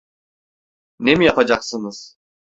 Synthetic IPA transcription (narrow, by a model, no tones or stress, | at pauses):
ne̞mijapʰad͡ʒaksɯnɯz̥